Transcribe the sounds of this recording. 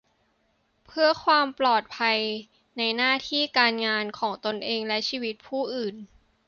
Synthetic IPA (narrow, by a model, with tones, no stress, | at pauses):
pʰɯ˥˩ɐkʰwaː˧mplɔː˨˩t̪̚pʰa˧j | na˧jnaː˥˩t̪ʰiː˥˩kaː˧nŋaː˧nkʰɔː˩˦ŋt̪o˧nʔeː˧ŋlɛ˦˥t͡ɕʰiː˧wi˦˥t̪̚pʰuː˥˩ʔɯː˨˩n